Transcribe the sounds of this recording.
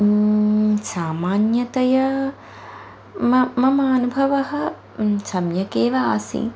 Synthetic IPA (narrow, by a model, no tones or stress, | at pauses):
saːmaːnjɐt̪ɐjɐ | mɐmɐmaːnubʱɐʋɐɦɐ | sɐmjɐkeːʋɐaːsḭ